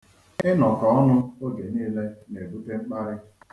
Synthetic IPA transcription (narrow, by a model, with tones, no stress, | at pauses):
ɪ˦nɔ˨kɔ˨ɔ˦nʊ˦o˦ɡe˨niː˦le˦ne˨bu˦te˦ŋ͡m̩˦k͡pa˦ɾɪ˦